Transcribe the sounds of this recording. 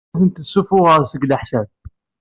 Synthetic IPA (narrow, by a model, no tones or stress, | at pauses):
θənt̪əsufʊʁəɾˤsəɡləħʃæð